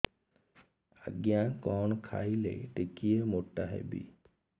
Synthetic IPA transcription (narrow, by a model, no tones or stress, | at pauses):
ə̰ɡjãkɔːɳkʰa̰ːilḛʈɪkijemoʈːaɦḛbḭ